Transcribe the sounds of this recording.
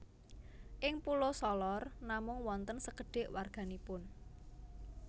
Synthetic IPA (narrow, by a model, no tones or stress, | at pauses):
ʔɪŋpulosɔlɔrnamʊŋwɔnt̪ənsəkəɖ̥e̤ʔwarɡ̥a̤nipʊn